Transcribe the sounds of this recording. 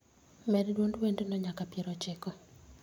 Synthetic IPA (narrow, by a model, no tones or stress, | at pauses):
mɛddwondwendenɔɲakapjeɾɔt͡ʃɪkɔ